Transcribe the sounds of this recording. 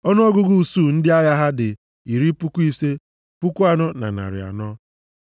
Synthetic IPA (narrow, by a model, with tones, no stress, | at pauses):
ɔ˦nʊ˦ɔ˦ɡʊ˦ɡu˦˨su˦˨n̩˦dɪ˦a˦ja˦ɦa˦dɪ˨ | i˨ɾi˦pu˦ku˦i˦se˦ | pu˦ku˦a˨nɔ˦na̰˨na̰˨ɾɪ̰˨a̰˨nɔ˦